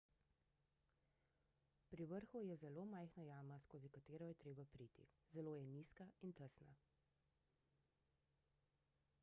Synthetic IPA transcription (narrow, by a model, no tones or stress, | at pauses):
pɾiʋəɾxujɛzɛloːmajxnajaːmaskoːzikat̪eːɾɔjɛt̪ɾeːbapɾit̪ḭzɛloːjɛniːskaint̪əsna̰